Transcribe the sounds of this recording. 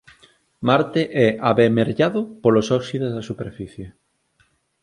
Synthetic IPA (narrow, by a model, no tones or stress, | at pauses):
maɾt̪eʔɛʔaβemeɾʎaðʊpolosɔksiðezðɐsupeɾfiθje